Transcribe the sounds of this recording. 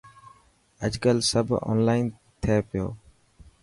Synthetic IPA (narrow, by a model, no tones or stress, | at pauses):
əd͡ʒɡəlsəbʱo̰ːnlaːɪn | t̪ʰeːpɪjo̰ː